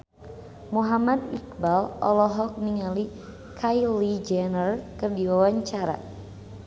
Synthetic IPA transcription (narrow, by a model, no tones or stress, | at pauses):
muɦamad̪ik̚balʔɔ̰lɔɦɔk̚niŋali | kʰajlid͡ʒɛnərkɨrdiwawaɲt͡ʃaɾa̰